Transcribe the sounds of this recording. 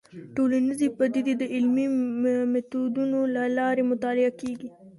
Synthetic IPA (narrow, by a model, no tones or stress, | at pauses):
ʈolanizipɐd̪id̪id̪əʔɪlmimɛt̪od̪unolalɑːɾemʊt̪ɑːlɪakeːɡi